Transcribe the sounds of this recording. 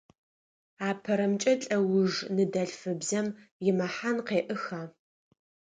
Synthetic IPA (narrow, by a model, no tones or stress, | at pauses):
aːpʰɐɾɐmt͡ʃʼɐt͡ɬʼɐwʊʐnɨdɐɬfɨbzɐmjɪmɐħanqeːʔɨxaː